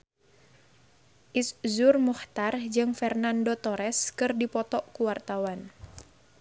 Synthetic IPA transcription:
ʔiszurmuht̪ard͡ʒɨŋfɛrnandot̪ɔɾɛskɨrdipɔt̪ɔʔkuwart̪awan

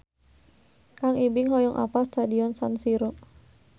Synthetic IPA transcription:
kaŋibɪŋɦɔjɔŋʔa̰past̪adiɔnsansiɾɔ

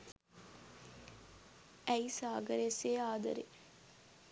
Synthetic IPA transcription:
æisaːɡɐɾeseːaːd̪ɐ̰ɾḛ

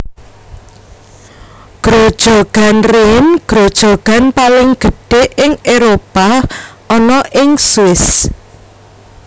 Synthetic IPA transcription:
ɡ̥ɾod̥ʒ̥oɡ̥a̤nrenɡ̥ɾod̥ʒ̥o̤ɡ̥a̤npalɪŋɡ̥ə̤ɖ̥e̤ʔɪŋeɾopa | ɔnɔʔɪŋsɪs

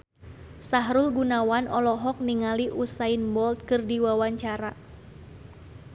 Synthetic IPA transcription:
saɦɾulɡunawanʔɔlɔɦɔk̚niŋaliʔusainbɔlt̪̚kɨrdiwawaɲt͡ʃaɾa

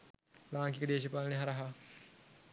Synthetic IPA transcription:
laːŋkikəd̪eːʃipaːlɐneɦɐɾɐɦa

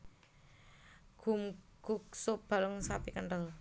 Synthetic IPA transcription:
ɡ̥um | ɡ̥uk̚sʊb̥a̤lʊŋsapikəɳʈəl

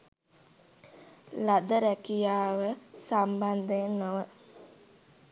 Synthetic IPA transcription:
lad̪əɾɛkijaːʋəsamband̪enːoʋə

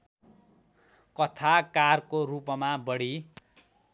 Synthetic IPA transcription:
kʌt̪ʰakarkorupmabʌɽi

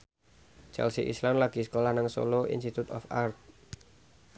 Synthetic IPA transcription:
t͡ʃɛ̰lsiʔḭslamlaɡ̥i̤skolahnaŋso̰loḭnsit̪ut̪ɔ̰fart̪̚

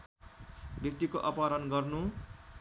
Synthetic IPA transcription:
bjʌk̚t̪ikoʔʌpaɾʌnɡʌrnu

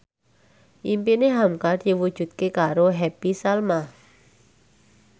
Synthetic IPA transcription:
ʔimpineɦamkad̪̥i̤wud̥ʒ̥ṳt̪̚kekaɾoɦɛpisalma

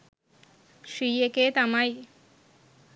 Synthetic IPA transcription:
ʃijeket̪amaj

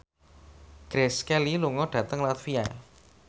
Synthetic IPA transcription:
ɡ̥ɾɛskɛliluŋɔɖ̥ä̤t̪əŋlat̪fia̰

